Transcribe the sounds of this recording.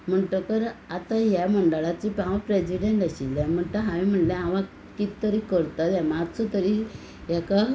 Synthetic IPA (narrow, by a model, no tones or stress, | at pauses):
m̤əɳʈ̪əkəɾat̪ajaməɳɖəɭat͡ɕipãʋãpɾesiɖeɳʈəɕilːam̤əɳʈ̪əɦaʋim̤əɳʈljẽaʋã | kit̪t̪ːəɾikəɾt̪at̪jamad̪t͡sɔt̪əɾi | jaka